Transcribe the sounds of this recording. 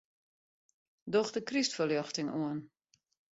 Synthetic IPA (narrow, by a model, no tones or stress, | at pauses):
dɔxdəkristfəljɔxtɪŋuən